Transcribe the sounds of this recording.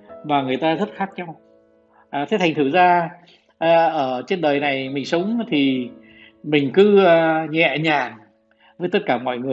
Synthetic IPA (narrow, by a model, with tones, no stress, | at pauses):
maː˨˩ŋɨ˨˩əjt̪aː˧zə˦˥t̚xaː˦˥k̚ɲa˧w | ʔaː˨˩t̪ʰe˨˦t̪ʰjŋ̟t̪ʰɨ˧˩zaː˧ | ʔʔəː˧˩t͡ɕe˧nɗəː˨˩jna˨˩jmï˨˩ŋ̟sə˨˦wŋ͡mt̪ʰi˨˩ | mï˨˩ŋ̟kɨ˨˦˧ɲɛ̰˧˨ɲaː˨˩ŋ | vəː˨˦jt̪ə˦˥t̚kaː˧˩mɔ̰˧˨jŋɨ˨˩ə